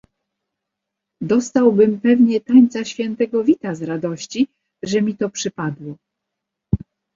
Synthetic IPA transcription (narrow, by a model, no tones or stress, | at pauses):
d̪ɔst̪awbɘmpɛvɲɛt̪aɲt̪saɕfʲjɛnt̪ɛɡɔvʲit̪azɾad̪ɔɕt͡ɕi | ʐɛmʲit̪ɔpʂɘpad̪wɔ